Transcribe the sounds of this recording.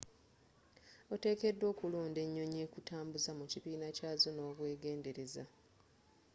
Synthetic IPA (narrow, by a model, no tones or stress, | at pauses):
o̞te̞ːke̞dːwo̞ːkuloːnde̞ɲːo̞ɲe̞ːkutaːmbuzamuciβiːnacaːzo̞no̞ːβwe̞ːɡe̞ːnde̞ɾe̞za